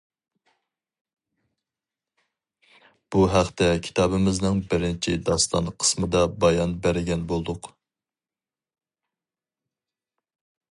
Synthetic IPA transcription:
b̥uɦæχt̪ɛkʲʰi̥t̪ɑːbɪmɪznɪŋbɪɾɪnt͡ʃʰɪ̰d̪ɑst̪ɑ̰nqʰə̥smɨd̪ɑbɑjɑnbæɾɪɡʲɛnbolˠd̪ʊq

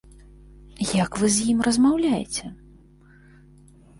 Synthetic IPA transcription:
jakvɨzʲjimrɐzmawlʲajɛ̰t͡sʲɛ

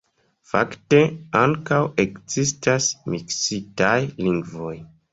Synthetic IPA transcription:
fa̰kte̞aŋkawe̞kzistasmiksitajliŋɡvo̞j

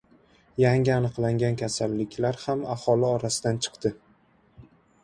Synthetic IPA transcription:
jaŋʲɪanɨqlˠaŋɡʲankʲʰasalːɪkʲlaɾhamahɒlɪɒɾasɪd̪ant͡ʃʰɨ̥qd̪̥ɪ

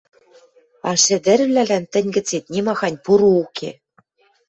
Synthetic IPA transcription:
ɑʃɘ̆d̪ɘ̆ɾɘ̆vlʲælænt̪ɘ̆nʲɡɘ̆t͡set̪̚nʲemɑxɑnʲpuɾuukʰḛ

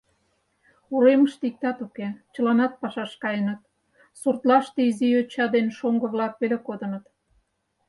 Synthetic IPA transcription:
uɾeməʃt̪ik̚t̪ɑt̪uket͡ɕə̆lɑnɑt̪̚pɑʃɑʃkɑjənət̪ | surt̪lɑʃt̪eiziøt͡ɕɑd̪enʃoŋɡə̆βlɑkβelekod̪ə̆nə̆t̪

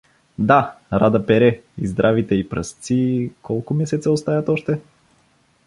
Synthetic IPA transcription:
d̪aɾad̪əpɛɾɛizd̪ɾʔavit̪ɛipɾə̰st̪sikɔlˠkʊmɛsɛt̪səost̪ajɐt̪ɔʃt̪ɛ

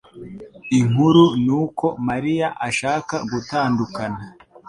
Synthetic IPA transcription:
iŋ̥uɾunuːko̞maɾijaʔaʃaːkaɡutaːndukana

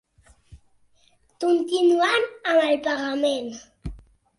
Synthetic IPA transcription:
kʊnt̪inuanamalpaɣamen

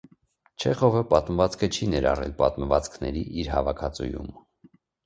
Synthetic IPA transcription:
t͡ʃʰɛχɔvəpɑt̪məvɑt͡skʰət͡ʃʰinɛɾɑ̰rɛ̰lpɑt̪məvɑt͡skʰnɛɾiʔiɾɦɑvɑkʰɑt͡sṵjṵm

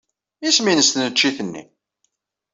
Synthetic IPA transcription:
isminəst̪nət͡ʃːiθənːḭ

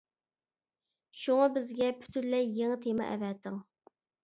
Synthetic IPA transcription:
ʃuŋɑbɪzɡʲɛpʰy̥t̪ʰynlɛjjeŋɨt̪ʰemɑ̰ʔɛ̰vɛt̪ɪŋ

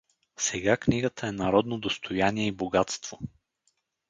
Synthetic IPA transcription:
sɛɡakniɡət̪əɛnɐɾɔd̪nod̪ost̪ʰojaniɛiboɡat̪st̪v̥o

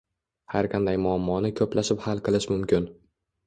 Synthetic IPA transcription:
haɾqʰɑnd̪ajmʊamːɒnɪkʰɵplaʃɪphalˠqʰɨlˠɪʃmʊmkʲɪn

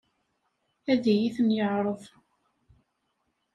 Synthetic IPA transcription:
æðijiθənjəʕɾˤəðˤ

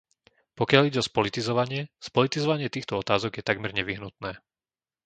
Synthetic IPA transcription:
pɔkɪaliɟɛɔspɔlit̪izɔʋaɲɪɛspɔlit̪izɔʋaɲɪɛt̪iːxt̪ɔɔt̪aːzɔɡjɛt̪aɡmɛɾɲɛʋiɦnut̪nɛː

